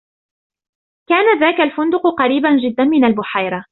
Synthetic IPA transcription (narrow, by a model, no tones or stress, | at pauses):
kaːnaðaːkalfʊnd̪ʊqqɑɾiːband͡ʒɪd̪ːanmɪnalbʊħajɾˤɑ